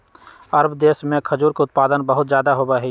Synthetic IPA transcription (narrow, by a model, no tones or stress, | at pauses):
ɐɾbd̪eːsmẽkʰɐd͡ʒuːɾkeʊt̪̚paːd̪ənbəɦʊt̪zjaːd̪aɦobaɦɛ